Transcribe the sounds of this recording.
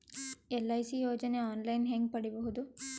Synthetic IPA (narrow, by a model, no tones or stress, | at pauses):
elːɐjsijoːd͡ʒɐneaːnlɐjnɦeŋɡ̚pɐɽiboɦud̪u